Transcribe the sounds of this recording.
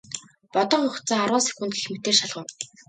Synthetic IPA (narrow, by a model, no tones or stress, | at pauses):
pɔt̪ɞ̆ɴχʊχt͡saːarʁaːsæ̥kʲŭnt̪ɡe̥xmet̪eːrʃaɮʁʊ̆w